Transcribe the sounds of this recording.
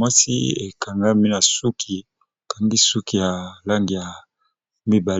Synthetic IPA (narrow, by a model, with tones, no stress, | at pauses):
wa˦sḭ˦e˨ka˨ŋɡa˦mi˦na˨su˦kʰi˨ | ka˨ŋɡi˦su˦ki˨ja˨la˦ŋɡi˨ja˨ | mi˦ba˨